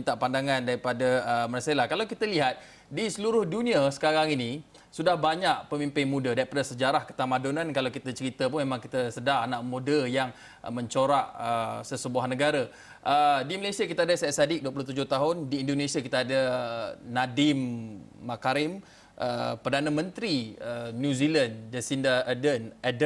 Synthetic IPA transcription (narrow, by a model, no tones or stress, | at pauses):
int̪aʔpandaŋãndaɾipadaəmərsalahkalawkit̪əliɦat̪̚ | disəluɾʊhduniasə̥kaɾaŋini | sudahbaɲaʔ̚pəmimpɪnmudədaɾipadasəd͡ʒaɾahkə̥t̪amadonankalawkit̪ət͡ʃəɾit̪əpʊnmemãŋkit̪əsədanaʔmudəjaŋ | mə̃ɲt͡ʃoɾaʔəsəsəbuaɦnəɡaɾa | ʔədiməlasiakit̪aadasɛsadɪk̚duəpulʊht̪ud͡ʒʊht̪aɦʊndiːndonesiakit̪aadənadɪmːakaɾɪm | ʔə̰pərdanamə̃nt̪ɾiəːjũziland͡ʒasindaʔədənad